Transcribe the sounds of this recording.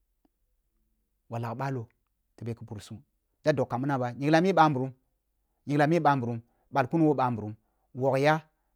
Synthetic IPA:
wa˨la˨ɓa˦lo˨ | tə˨be˨kə˦bu˨ɾsu˦ | d̥a˦do˨kkːa˨mu˦na˦ba˨ɲi˨ɡla˨m˦e˦ɓa˨˦mbu˨ɾu˦m | ɲi˨ɡla˨me˦ɓa˨mbu˨ɾu˨m | ɓa˨lku˦nu˦wo˦ɓa˨mbu˨ɾu˨˦m | wo˨kja˦

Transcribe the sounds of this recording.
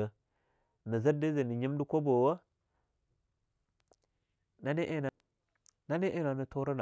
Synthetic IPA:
ə˨ | nə˨zə˦di˦zə˨ni˨ɲi˦mdu˦ko˦bo˨wə˦ | na˦ni˦ʔe˦na˨ | na˦ni˦ʔe˦na˨nə˨to˦ɾa˦na˨

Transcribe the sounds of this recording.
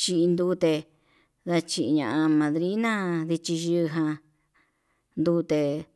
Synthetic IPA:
t͡ʃi˧ʔi˧nd̪uː˧˦t̪e˧ | ða˧t͡ʃi˧ʔi˧ɲã̰˧ʔã˧mã˨ðɾi˦nã˦ði˧t͡ʃi˧ʒɨ˧ɦã˧ | nd̪uː˧˦t̪e˧

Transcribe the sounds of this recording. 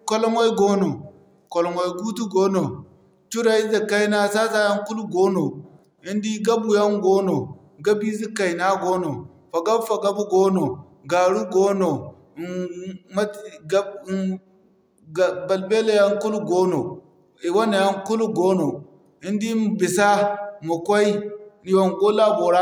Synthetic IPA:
ko˦lo˦mwo˦i˦ɡo˦no˨ | ko˨lo˨mo˨i˨ɡu˦tu˦ɡo˦no˨ | t͡ʃu˦ɾa˦i˦za˨ka˦i˦na˦sa˦sa˦ja˦ŋ˦ku˦lu˦ɡo˦no˨ | i˦ndi˦ɡa˦bu˨ja˦ŋɡo˦no˨ | ɡa˦bi˦zi˦ka˨i˨na˦ɡo˦no˨ | fa˨ɡa˦bfa˨ɡa˦bu˦ɡo˦no˨ | ɡa˨ɾu˦ɡo˦no˨ | ma˦ɡa˦˨ | ba˨lbe˦le˨ja˦ŋku˦lu˦ɡo˦no˨ | i˨wa˦na˨ja˦ŋku˦lu˦ɡo˦no˨ | i˦ndi˦m˦bi˨sa˦mu˨kʷa˦i˦ni˨wa˨nɡo˦la˦bo˨ɾa˦

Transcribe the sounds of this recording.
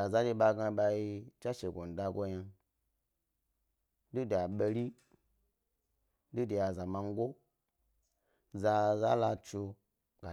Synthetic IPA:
a˨za˦de˧ɓa˧ɡa˧ba˧ji˧t͡ʃa˦ʃe˨ɡʷo˨n̩˨da˧ɡo˦ja˧ | du˦da˨ɓe˧ɾi˦ | du˦de˨ja˨za˨ma˧ŋ˦ɡo˦ | za˧za˦la˧t͡ʃu˧ | ɡ̥a˨

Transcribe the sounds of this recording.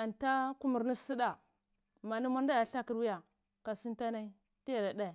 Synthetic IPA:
a˨nta˦ku˦mu˨ɾni˦si˦da˨ | ma˨ni˦ma˦ɾn˦da˦ja˨ɬa˦ki˨ɾwi˦ja˨ | ka˨si˦n˦ta˦na˦i˦ | ti˦ja˨ɾa˨da˦˨

